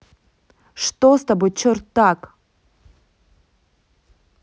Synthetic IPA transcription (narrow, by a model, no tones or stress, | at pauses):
ʂt̪ost̪abɨt͡ɕʰɔrt̪ːak